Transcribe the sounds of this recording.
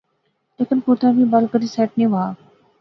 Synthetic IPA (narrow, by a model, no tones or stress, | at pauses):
leːkənkuːt̪ʰãːbiːbəlkəɾiːsɛːʈ̚nĩʋaː